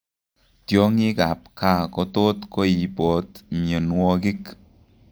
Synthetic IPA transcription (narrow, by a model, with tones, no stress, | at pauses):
tjɔ˦ŋɪ˦ka˨p̚ka˦˨kɔ˦to˦t̪ko˦i˨pɔ˨tɲə˨nwɔ˦˧ɡɪ˦k